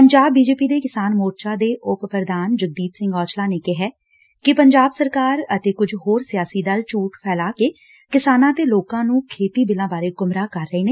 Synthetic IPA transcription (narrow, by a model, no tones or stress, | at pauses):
pəɲd͡ʒaːbːiːd͡ʒeːpiːd̪eːkɪsaːnmoːɾt͡ʃaːd̪eːʔʊppɾəd̪aːnd͡ʒəɡ̚d̪iːt̪sɪ̃ŋɡɔːt͡ʃlaːneːkɪɦɛː | kɪpəɲd͡ʒaːbsəɾkaːɾət̪eːkʊd͡ʒɦoːɾsɪjaːsiːd̪əlt͡ʃuːʈpʰɛːlaːkeː | kɪsaːnãːt̪eːloːkãːnũːkʰeːt̪iːbɪlãːbaːɾeːkʊmɾaːkəɾːəeːneː